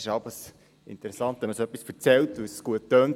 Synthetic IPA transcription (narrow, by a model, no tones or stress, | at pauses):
ɪʃɑbəs | ɪ̰nt̪əɾɛsɑnt̪ɛməsoœpːisfəɾt͡sɛltusɡ̥uətːøːnt